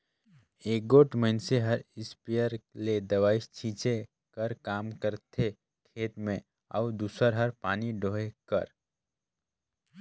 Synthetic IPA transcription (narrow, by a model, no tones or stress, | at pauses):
eːk̚ɡoːʈməɪnseɦəɾɪspijəɾled̪ɐʋaːɪst͡ʃʰĩːt͡ʃe | kəɾkaːmkəɾt̪ʰe | kʰeːʈ̪mẽ | ə̰ud̪uːsəɾɦəɾpaːniɖoːɦekə̰ɾ